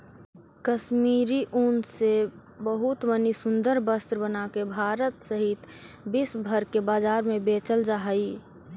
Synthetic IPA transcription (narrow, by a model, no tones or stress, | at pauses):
kəʃmiːɾiʔunse | bəɦʊt̪mənisʊ̃nd̪əɾbəst̪ɾəbənakebʱaːɾət̪səɦɪt̪ | bɪsbʱəɾkebaːd͡ʒaːɾmẽbeːt͡ʃəld͡ʒaɦəi